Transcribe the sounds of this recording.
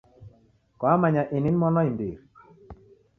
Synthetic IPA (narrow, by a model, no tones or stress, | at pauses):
kɔamaɲaʔinɪnmɔnɔindiɾ